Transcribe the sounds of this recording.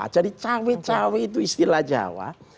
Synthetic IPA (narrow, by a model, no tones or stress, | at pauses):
a̰t͡ʃadit͡ʃawet͡ʃaweit̪̬uist̪ilahd͡ʒa̰wa̰